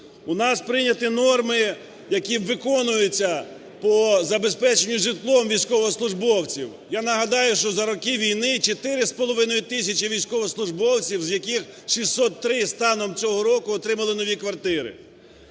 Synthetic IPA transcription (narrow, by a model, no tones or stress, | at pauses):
ʊnɑspɾɪnʲɐt̪ɪnɔrmɪ | jɐkʲiʋɪkɔnʊjʊt͡sʲːɐ | pɔzɐbespɛt͡ʃenʲːʊʒɪt̪lˠɔmʋʲijsʲkɔʋɔɔslˠʊʒbɔwt͡sʲiw | janɐɦɐd̪ɑjʊʃt͡ʃɔzɐɾɔkɪʋʲijnɪt͡ʃet̪ɪɾɪspɔlˠɔʋɪnɔjʊt̪ɪsʲɐt͡ʃiʋʲijsʲkɔʋɔɔslˠʊʒbɔwt͡sʲiwzjɐkʲixʃisʲːɔt̪ːɾɪst̪ɑnɔmt͡sʲɔɦɔɾɔkʊɔt̪ɾɪmɐlˠɪnɔʋʲikʋɐrt̪ɪɾɪ̰